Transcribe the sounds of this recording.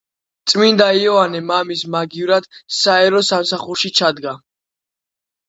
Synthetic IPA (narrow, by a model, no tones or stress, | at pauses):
t̪sʼmind̪aiɔvanɛmamismaɡivɾad̪̥saɛɾɔsamsaχuɾʃit͡ʃʰad̪ɡa